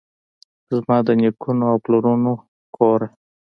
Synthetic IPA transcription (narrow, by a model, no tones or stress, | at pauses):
zmɑd̪ənikunoawploɾuno | kʰoɾe